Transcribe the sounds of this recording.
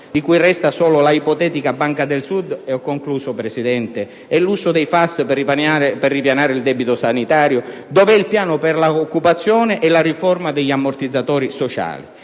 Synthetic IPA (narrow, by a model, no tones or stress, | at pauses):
d̪ikujrɛst̪asɔːlʊlaipɔt̪ɛːt̪ikabaŋkad̪elsud̪eɔkːoŋkluːsopɾesid̪ɛnt̪e | ɛluːsʊd̪ejfasppanaperːipjanaːɾɪild̪ɛbit̪ʊsanit̪aːɾjʊd̪ɔːvɛilpjaːnʊperlaokːupat̪sːjɔːneʔɛlarifɔrmad̪ɛʎːamːort̪id̪zːat̪ɔːɾisot͡ʃa̰ːlḭ